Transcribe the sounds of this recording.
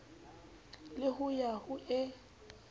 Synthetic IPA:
lɪɦʊjahʊʔɛ

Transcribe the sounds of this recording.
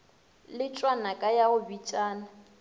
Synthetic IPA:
lɪt͡ʃʼwanakʼajaʊbit͡ʃʼaːna

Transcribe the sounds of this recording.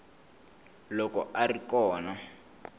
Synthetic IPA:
lɔkɔʔarikɔːna

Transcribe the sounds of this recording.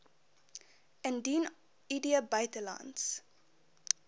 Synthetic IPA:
əndin | idiəbœɥtəlɐ̰nts

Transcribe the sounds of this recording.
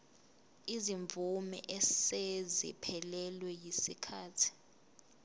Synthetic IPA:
iziɱvʱumɛ̰ʔɛsezḭpʰɛlɛlwɛjisikʰaːtʰi̥

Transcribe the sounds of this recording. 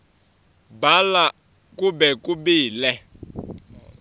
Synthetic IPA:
bala | kʼubɛkʼubiːlɛ

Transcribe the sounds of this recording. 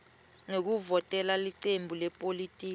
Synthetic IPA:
ŋek̬uvɔtʼɛlaliǀembʱulɛpʼolitʼiːk

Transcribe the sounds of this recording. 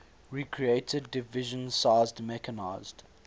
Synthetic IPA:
ɹikʰɹieɪtʰədɪvɪʒə̃nsaɪzdmɛkənaɪzd̥

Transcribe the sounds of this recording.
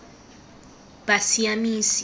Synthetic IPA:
ɓasijamiːsi

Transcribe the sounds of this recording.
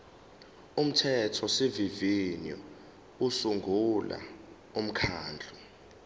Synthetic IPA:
um̩tʰɛtʰɔsivivinjɔ̰ | usuŋɡʱula̰ | um̩kʰaːnd͡ɮʱu

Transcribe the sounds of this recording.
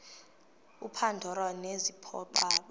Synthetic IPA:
upʰandʱɔɾwanezipʰɔ̰ɓaːɓɔ

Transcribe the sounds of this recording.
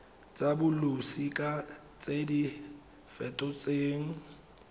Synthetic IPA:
t͡sʼabʊlʊsikʼa | t͡sʼedi | fɛtʼɔt͡sʼeːŋ̩

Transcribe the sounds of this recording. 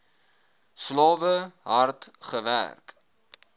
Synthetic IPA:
slɑːvəɦɐrtχəvæ̰rk

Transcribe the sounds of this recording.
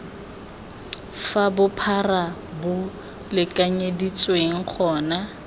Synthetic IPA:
fabʊpʰarabʊ | lɪkʼaɲedit͡sʼweŋ̩k͡xʰɔːna

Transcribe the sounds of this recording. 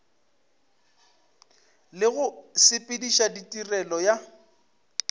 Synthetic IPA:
lɪɣʊsɪpʼɪdiʃaditʼirɛlɔja

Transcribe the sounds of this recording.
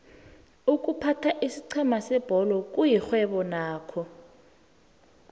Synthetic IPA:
uk̬ʼupʰatʰaʔisi̥ǀʰɛmasɛb̥ʱɔlɔk̬ʼujixwɛɓɔnaːkʰɔ

